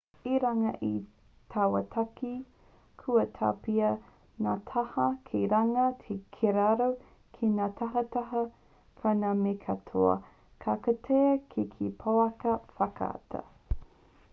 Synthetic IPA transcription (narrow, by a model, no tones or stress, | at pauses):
iɾaŋɐʔi | tʰɐwɐtʰaki | kʰuɐtʰa̰piɐ | natʰɐhɐkʰiɾaŋɐtʰekʰeɾaɾo | kʰinatʰɐɦɐtɐɦɐ | pʰanamekʰɐtʰoɐ̰ | kʰakɐtʰeɐkʰikʰipʰoɐkɐfɐka̰tʰɐ̰